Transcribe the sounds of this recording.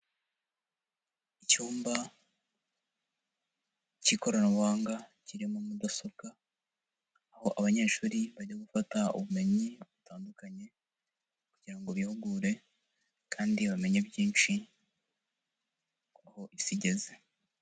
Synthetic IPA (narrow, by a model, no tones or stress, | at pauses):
icuːmba | ciko̞ɾanaβwaːŋɡaciɾimomudaso̞bɡa | ho̞ʔaβaɲe̞ːʃuːɾiβaɟaɡufataṵβume̞ɲiβutaːndukaɲe̞ | kuɟiɾaŋɡoβihuɡuːɾe̞ | kʰaːndiβame̞ɲebjiːnt͡ʃi | kahoʔisiɟe̞ze